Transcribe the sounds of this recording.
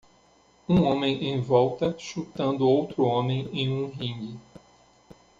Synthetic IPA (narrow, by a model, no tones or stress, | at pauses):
ũõmẽj̃ẽj̃vɔwt̪ɐʃut̪ɐ̃nd̪ʊowt̪ɾʊõmẽj̃ẽj̃ũɦĩɡɪ